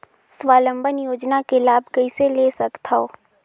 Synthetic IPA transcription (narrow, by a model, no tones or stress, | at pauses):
swaːlə̃mbʱənjoːd͡ʒnakelaːbʱkɐiseleːsɐkt̪ʰaoː